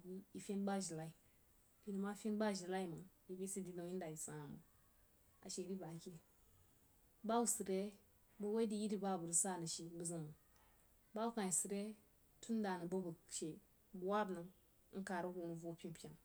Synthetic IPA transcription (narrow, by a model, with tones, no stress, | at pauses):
bi˦i˨fʲe˦nba˦ʒi˨la˦i˨ | i˨ni˨ma˦fe˦n˦ba˦ʒi˨la˦i˦mə˨i˨bi˦si˦di˨do˨ŋji˦n˦da˨i˨sa˨mə̰˨ | a̰˨ʃe˨di˦ba˨ke˦ | ba˦u˦si˨ɾe˦ | bə˦we˦di˦ji˦di˨ba˦˨bu˨ɾi˨sa˦˨nə˨ʃi˨bə˨zə˦mə˨ | ba˦u˦ka˨i˨si˨ɾe˦ | tʰu˦n˦da˨nə˨bə˦bə˨ʃe˨ | bu˨wa˦bnə˨ŋ̩˦ | ka˨ɾu˦ɡu˨nu˨vo˦pʲi˦pʲi˦a˨ŋ